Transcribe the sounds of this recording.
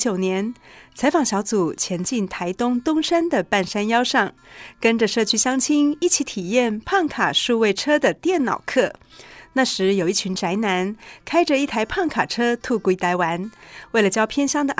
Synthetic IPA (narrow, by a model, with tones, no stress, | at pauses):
t͡ɕjo˨˩ʊnjɛ˧˥nt͡sʰa˧˥ɪfɑ˨˩ŋɕjɑ˧˥ʊt͡su˨˩t͡ɕʰjɛ˧˥nt͡ɕi˥˩nt̪ʰa˧˥ɪt̪ʊ˥ŋt̪ʊ˥ŋʂa˥nd̪ə˨pa˥˩nʂa˥njɑ˥ʊʂɑ˥˩ŋ | kə˥nʈ͡ʂə˨ʂɤ˥˩t͡ɕʰy˥ɕjɑ˥ŋt͡ɕʰi˥ŋi˥˩t͡ɕʰi˧˥t̪ʰi˨˩jɛ˥˧npʰɑ˥˩ŋkʰa˨˩ʂu˥˧we˥˩ɪʈ͡ʂʰɤ˥d̪ə˨t̪jɛ˥˩nnɑ̰˨˩ʊkʰɤ˥˩ | na˥˩ʂɻ̩˧˥jo˨˩ʊi˥˩t͡ɕʰy˧˥nʈ͡ʂa˧˥ɪna˧˥nkʰa˥ɪʈ͡ʂə˨i˥˩t̪ʰa˧˥ɪpʰɑ˥˩ŋkʰa˨˩ʈ͡ʂʰɤ˥t̪ʰu˥˧kwit̪a˧˥ɪwa˧˥nwe˥˩ɪlə˩t͡ɕjɑ˥ʊpʰjɛ˥nɕjɑ˥ŋd̪ə˨